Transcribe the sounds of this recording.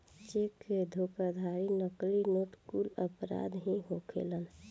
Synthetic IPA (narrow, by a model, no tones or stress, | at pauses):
t͡ʃeked̪ʱokad̪ʱaɾinəklinoːʈkuləpɾa̰d̪ɦĩɦokʰḛlən